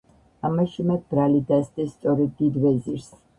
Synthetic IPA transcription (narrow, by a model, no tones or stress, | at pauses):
amaʃumɛd̪̚bɾalid̪asd̪ɛst̪sʼɔɾɛd̪ːid̪vɛziɾs